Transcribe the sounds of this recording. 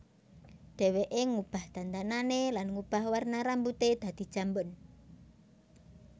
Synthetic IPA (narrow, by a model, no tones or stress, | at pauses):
d̪̥ɛ̤weʔeŋub̥a̤hd̪̥a̤nt̪ananelanŋub̥ahwarnaɾambut̪ed̪̥ä̤d̪̥i̤̥ʒ̥a̤mbʊn